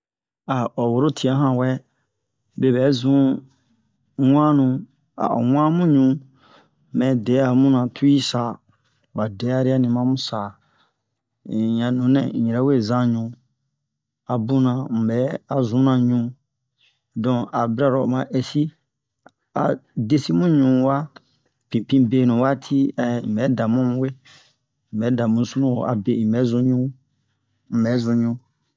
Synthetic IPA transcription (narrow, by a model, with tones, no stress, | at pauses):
a˨ɔ˨wo˨ɾo˦tʰi˨a˦ɦã˨wɛ˦ | be˨bɛː˨˦zũ˦ | wʷã˦nũ˧ | a̰˨wʷã˦mũ˦ɲũ˧˦ | mɛ̃˨dɛ˨˦a˨mũ˦nã˨tʰu˦i˦saː˨ | ba˨dɛ˨˦a˨ɾi˦a˦nĩ˨mã˦mũ˦saː˨ | ɲã˨nũ˨˦nɛ̰̃˨ɲĩ˨ɾɛ˦we˦˨zã˦ɲũ˨˦ | a˨bũ˦nã˨m̩˨bɛ˨˦a˨zũ˨˦nã˨ɲũ˨˦ | dɔ̃˨a˨bi˦ɾa˦˨ɾɔ˨mã˨ʔɛ˨si˦ | a̰˨de˦si˦mũ˦ɲũ˨wa˦ | pĩ˨pĩ˦beː˨nũ˨wa˦tʰi˦ɛ˨bɛ˨˦da˨mũ˦mũ˦we˦ | m̩˨bɛ˨˦da˨mũ˦su˦nũ˦wo̰˨ʔa̰˨be˨i˨bɛ˨˦zũ˧˦ɲũ˦ | m̩˨ɛ˨˦zũ˧˦ɲũ˧